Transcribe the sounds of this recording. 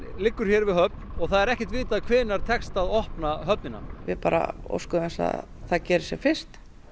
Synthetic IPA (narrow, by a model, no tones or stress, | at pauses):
lɪkːʏɾ̥çjɛɾvɪðɦœp̚nɔɣθaðɛɾɛhcɛ̥ht̪viːt̪aðkʰvɪːnaɾ̥t̪ʰɛkst̪aðɔhpnaɦœp̚nɪnːa̰vɪpaːɾa̰o̰wskʏmɛsa̰ð | θaðcɛːɾɪsjɛfɪr̥t̪